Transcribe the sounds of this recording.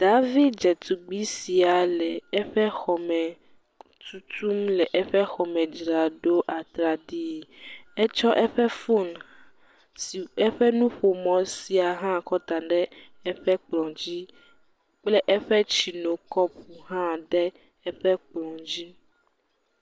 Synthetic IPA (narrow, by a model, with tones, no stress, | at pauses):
d̪̥a˦vi˦d̪̚d͡ʒɛ˨t̪u˨ɡ͡bi˦si˨a˨lɛ˨ɛ˦ɸɛ˦xɔ˨mɛ̃˨ | t̪ʰu˦t̪u˦mlɛ˨ʔɛ˦ɸɛ˦xɔ˨mɛ̃˨d͡ʒɾa˨ɖo˦ʔa˨t̪ɾa˨ɖi˦˨ɛ˦t͡ʃɔ˦ʔɛ˦ɸɛ˦fo˦˨n | si˨ɛ˦ɸɛ˦nũ˦ɸo˨mɔ̃˨si˨a˨ɦã˦kɔ˦t̪a˨ɖɛ˦ | ɛ˦ɸɛ˦k͡plɔ̃˨d͡ʑi˦ | k͡plɛ˦ʔɛ˦ɸɛ˦t͡ʃi˨nõ˨kɔ˦pu˨ɦã˦ɖɛ˦ | ɛ˦ɸɛ˦k͡plɔ̃˨d͡ʑi˦